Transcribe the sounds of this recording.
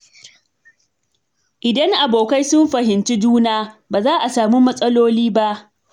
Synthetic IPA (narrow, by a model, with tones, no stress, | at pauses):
ʔɪ˨dɐ˦ŋʔa˨boː˨ka˦jsʊ˦mɸɐ˨ɦɪ˨nt͡ʃi˦d͡ʒuː˦naː˦baː˨zaː˦ʔa˨saː˨mu˦mɐ˦sʼɐ˦loː˦liː˦ba˦ʔ